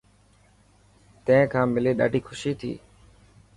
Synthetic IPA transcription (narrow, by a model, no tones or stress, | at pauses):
t̪ə̃ɦɪ̃kʰãːmɪleːɗa̰ːɖʱiːxʰʊʃiːt̪ʰḭː